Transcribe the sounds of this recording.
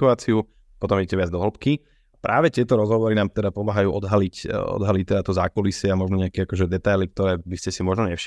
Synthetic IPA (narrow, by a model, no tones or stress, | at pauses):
uaːt͡siu | pɔt̪ɔmiɟɛcɛʋɪad͡zd̪ɔɦl̩pki | apɾʔaːʋɛt̪ɪɛt̪ɔɾɔzɦɔʋɔɾinaːmt̪ɛd̪apɔmaːɦajuːʔɔd̪ɦalicɔ̰d̪ɦalict̪ɛd̪at̪ɔzaːkɔlisɪɛamɔʒnɔɲɪakɛakɔʒɛd̪ɛt̪ajlik̚t̪ɔɾɛːbiscɛsimɔʒnɔɲɛfʃ